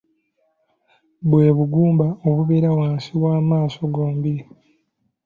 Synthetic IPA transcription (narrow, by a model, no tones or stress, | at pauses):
βwe̞ːβuɡuːmbaoβuβeɾawaːnsiβwaːmaːso̞ɡo̞ːmbiɾi